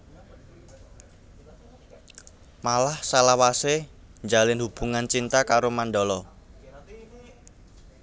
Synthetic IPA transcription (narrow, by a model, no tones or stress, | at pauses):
malahsalawase | ɲd͡ʒalɪnhub̥uŋant͡ʃint̪akaɾomanɖɔlɔ